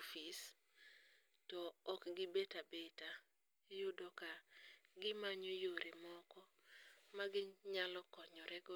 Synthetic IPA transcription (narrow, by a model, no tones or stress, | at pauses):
fis | tɔɔkɡɪbetabeta | jodokaɡɪmaɲojoɾemɔkɔ | maɡɪɲalɔkɔɲɔɾɛɡɔ